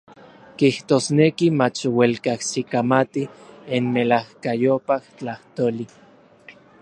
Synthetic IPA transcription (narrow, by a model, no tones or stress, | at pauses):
kiht̪oːsnekimat͡ʃwelkahsikamat̪ienmelahkajopaht͡ɬaht̪oli